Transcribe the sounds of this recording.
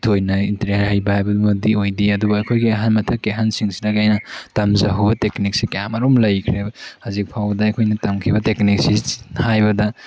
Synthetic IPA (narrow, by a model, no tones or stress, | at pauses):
tʰojnɐinteɾehajbɐhajbɐdumɐdiojdiɐdubɐɐjkʰojɡiɐɦanmɐtʰɐkːiɦansiŋsinɐɡajnɐtɐmzaɦubɐteknik̚sikɐjamɐɾomlɐjkʰɾehazik̚pʰawbɐdɐɐjkʰojnɐtɐmkʰibɐteknik̚sihajbɐdɐ